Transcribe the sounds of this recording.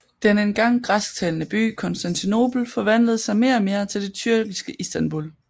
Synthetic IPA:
d̥enenɡ̥ɑ̈ŋ̰ɡ̥ʁasɡ̥t͡sʰɛlnəb̥y̰ːkʰɒ̽nsd̥ænt͡sʰino̝b̥l̩fɒ̽ʋæn̰ləð̩ˠsɑ̈ɪme̝ːɐme̝ːɐt͡sʰe̝ld̥e̝t͡sʰyɐ̰ɡ̥isɡ̥əʔisd̥ænb̥ul

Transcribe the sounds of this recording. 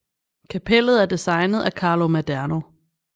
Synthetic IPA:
kʰæpʰel̰ð̞̩ˠæɐd̥isɑ̈ɪnəð̞̩ˠækʰɑ̈ːlo̝mæd̥æɐno̝

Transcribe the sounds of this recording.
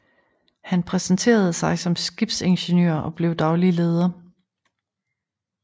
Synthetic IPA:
hænpʰʁɛsnt͡sʰe̝̰ːɐð̞̩ˠəsɑ̈ɪsɒ̽msɡ̥ib̥se̝nɕe̝nø̰ɐʔɒ̽b̥le̝ʊd̥ɑ̈ʊlile̝ːð̞ˠɐ

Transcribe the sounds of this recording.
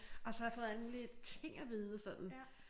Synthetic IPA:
ɒsɒhɑjɑfɔ̽ːð̩ˠæləmuːlit͡sʰe̝ŋ̰æʋiːðˠəsɒ̽d̥n̩

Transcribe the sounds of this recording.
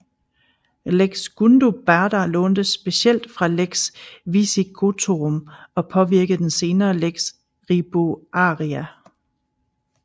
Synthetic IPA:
leɡ̥sɡ̥und̥o̝b̥æɐdɐlɔ̽ːnd̥əsːb̥e̝siel̰d̥fʁɑ̈leɡ̥sʋisikʰo̝t͡sʰoʁɔmɒ̽pʰɒ̽ʋiɐɡ̥əð̩ˠd̥ense̝ːnɐːleɡ̥s | ʁib̥oʔɑ̈ʁiæ

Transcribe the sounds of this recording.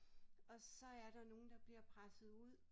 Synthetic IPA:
ɒ̽sɒ̽æɐɾ̥ɑ̈no̝ːn̩d̥ɑ̈b̥liɐ̰pʰʁasð̩ˠuð̰ˠ

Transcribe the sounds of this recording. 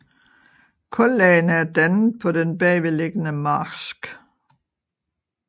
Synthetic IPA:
kʰɔ̽lːɛɪnəæɐd̥ænð̩ˠpʰɒ̽d̥enb̥ɛːʋele̝ɡ̥ənəmɑːsɡ̥

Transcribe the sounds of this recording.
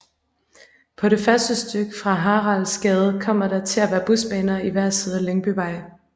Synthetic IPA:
pʰɒ̽ɾe̝fɶɐsd̥əsd̥øɡ̥fʁɑ̈ɦɑ̈ːʁɑ̈lsɡ̥ɛːð̞ˠəkʰɒ̽m̰ɐɾɑ̈t͡sʰe̝læʋæːɐb̥usb̥ɛ̰ːnɐiʋæɐ̰seð̞ˠɐleŋb̥yʋɑ̈ɪ̰

